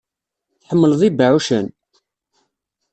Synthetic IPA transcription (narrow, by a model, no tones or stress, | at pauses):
θħəmːəlðˤibəʕuʃən